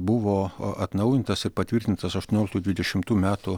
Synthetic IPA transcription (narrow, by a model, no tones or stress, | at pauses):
bʊʋoːʔɐt̪nɐʊjɪnt̪ɐsɪɾpɐt̪ʲʋʲɪɾʲt̪ʲɪnt̪ɐsɐʃt̪oɔnʲoːlʲkt̪uːd̪ʲʋʲɪd̪ʲɛʃʲɪmt̪uːmʲæːt̪ʊ